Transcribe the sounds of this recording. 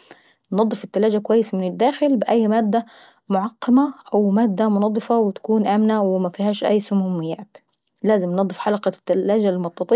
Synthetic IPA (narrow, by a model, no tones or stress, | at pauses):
nɑd̪ˤːɨfɪt̪ːalaːd͡ʒakʊwajːɪsamɪnɪd̪ːaːxɪlbɪʔajːmaːd̪ːa | mʊʕɑqːɑmaʔawmaːd̪ːamʊnɑd̪ˤːɨfɑwɪt̪ḁkuːnʔaːmnawɪmafiːɦaːʃʔa̰jːsʊmuːmːɪjːaːt̪ | laːzɪmnɑd̪ˤːɨfħalaqɑt̪ːalːaːd͡ʒalmʊt̪ːɑt̪ˤi